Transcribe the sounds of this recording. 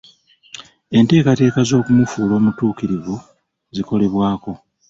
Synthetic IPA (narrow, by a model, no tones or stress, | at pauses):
e̞nte̞ːkate̞ːkazo̞ːkumufuːlo̞ːmutuːkiɾivu | ziko̞le̞βwaːko̞